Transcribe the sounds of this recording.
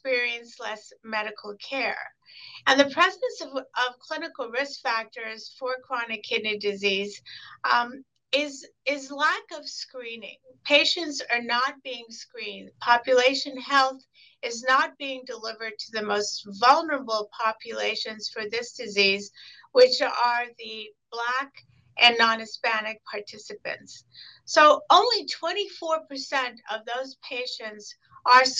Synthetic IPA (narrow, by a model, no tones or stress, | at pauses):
kspɪɹiɨ̃nslɛsmɛɾɨkʰl̩ˠkʰɛɹɨ̃nðɨpʰɹ̥ɛsɨsʌʌv̥kʰl̥ɪ̃nɨkl̩ˠɹɪskfæk̚tə˞z̥fə˞kʰɹ̥ɑnɨkʰɪdⁿnidɨziz | ɪz | ɪzlækʌv̥skɹĩnɪ̰̃ŋpʰeɪʃɨ̃ntsə˞nət̚b̥iɪ̃ŋskɹĩnd̥̚pʰɑpjɨleɪʃɨ̃nhɛlˠθ | ɨznət̚b̥iɪ̃ŋdəlɪvə˞d̚tʰɨðɨmoʊstvʌlˠnə˞əbl̩ˠpʰɑpʰjɨleɪʃɨ̃nz̥fə˞ðɪsd̥ɨzizwɪt͡ʃə˞ðɨb̥læk | ʔɨ̃nːɑ̃nɨspænɨk̚pʰɑɹtʰɪsɨpɨ̰̃nts | soʊõʊ̃nlitʰw̥ɛ̃ɾ̃ifɔɹpʰə˞sɛ̃ntʌ̰vðoʊz̥pʰeɪʃɨ̃nts | ʔə˞s